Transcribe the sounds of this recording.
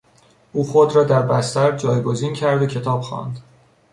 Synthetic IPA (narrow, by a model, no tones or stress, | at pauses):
ʔuːxod̪ɾɒːd̪æɾbæst̪æɾd͡ʒɒːjɡo̞ziːncʰæɾd̪ocʰe̞t̪ʰɒːb̥xɒ̰ːnd̪̥